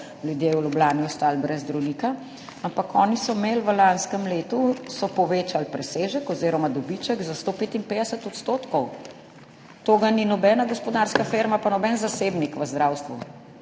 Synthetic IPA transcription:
ljud̪jeːwlublaːniɔst̪aːlbɾɛzd̪ɾɔwnika | ampakʰɔːnisɔmelʋəlanskəmleːt̪usɔpɔʋeːt͡ʃalpɾɛseːʒəkɔziːɾɔmad̪ɔbit͡ʃəɡzast̪opeːt̪inpeːd̪ɛsɛt̪ɔt̪st̪oːt̪kɔw | t̪oːɡaninɔbɛːnaɡɔspɔd̪aɾskafeːɾmapanɔbɛnzaseːbnikʋəzd̪ɾawst̪ʋu

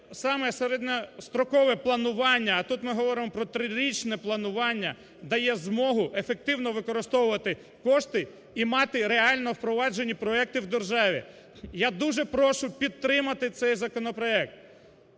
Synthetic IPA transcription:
sɑmɛseɾɛd̪ʲnʲɐst̪ɾɔkɔʋɛplˠɐnʊʋɑnʲːɐːt̪ut̪mɪɦɔʋɔɾɪmɔpɾɔt̪ɾɪɾʲit͡ʃnɛplˠɐnʊʋɑnʲːɐ | d̪ɐjɛzmɔɦʊʔefek̚t̪ɪwnɔʋɪkɔɾɪst̪ɔwʊʋɐt̪ɪ | kɔʃt̪ɪ | imɑt̪ɪɾeɑlʲnɔwpɾɔʋɑd͡ʒenʲːipɾɔɛk̚t̪ɪwd̪erʒɑʋʲi | jad̪uʒɛpɾɔʃʊpʲid̪̚t̪ːɾɪmɐt̪ɪt̪sɛjzɐkɔnɔpɾɔɛk̚t̪̚

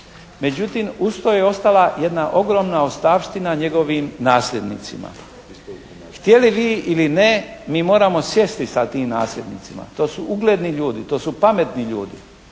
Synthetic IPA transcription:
me̞d͡ʑut̪iːmust̪ojeo̞st̪alaje̞d̪naʔo̞ɡɾo̞mnaost̪aːʋʃt̪inaɲe̞ɡo̞ʋimnaːsʎʲe̞d̪nḭt̪sima̰ | xt̪je̞liʋiːʔilinemiːmo̞ːɾamo̞sje̞st̪isat̪iːmna̰ːslʎʲe̞d̪nḭt̪sima̰t̪o̞ːsuʔuɡleːd̪niʎuːd̪it̪o̞ːsupame̞t̪niʎuːd̪i

